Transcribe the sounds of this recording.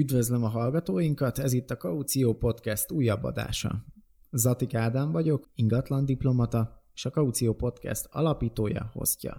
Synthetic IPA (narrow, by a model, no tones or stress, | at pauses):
yd̪vøzlɛmɒɦɒlɡɒt̪oːjiŋkɒt̪ɛzit̪ːɒkɒut̪sijoːpo̞t̪kɛst̪uːjːɒbːɒ̰d̪a̰ːʃɒ̰ | zɒt̪ikaːd̪aɱvɒɟo̞kiŋɡɒt̪lɒnd̪iplo̞mɒt̪ɒe̥ːʃɒkɒut̪sijoːpo̞t̪kɛ̰st̪ɒ̰lɒpiːt̪oːjɒ̰ho̞̰scɒ̰